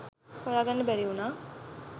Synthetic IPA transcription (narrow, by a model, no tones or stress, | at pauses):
kojaːɡanːəbæɾiunaː